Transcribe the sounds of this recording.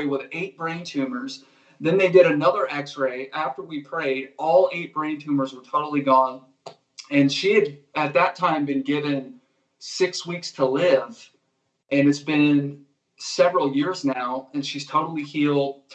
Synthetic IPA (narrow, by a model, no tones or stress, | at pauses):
ɪwɪðeɪt̚b̥ɹẽɪ̃ntʰʉ̃mə˞z | ðɨ̃nðeɪdɪɾɨnʌðə˞ʔɛksɹeɪʔæftə˞wipʰɹ̥eɪɾɔlˠeɪt̚b̥ɹẽɪ̃ntʰʉ̃mə˞zwə˞tʰoʊɾl̩ˠiɡɔ̃n | ɨ̃nʃiɨɾɨt̪̚ðɨtʰãɪ̃mbɨ̃nɡɪvɨ̃n | sɪkswikstʰəlɪv̥ | ʔɨ̃nɨtsb̥ɪ̃n | sɛvɹl̩ˠjɪɹznaʊɨ̃nʃiz̥tʰoʊɾl̩ˠihilˠd̥̚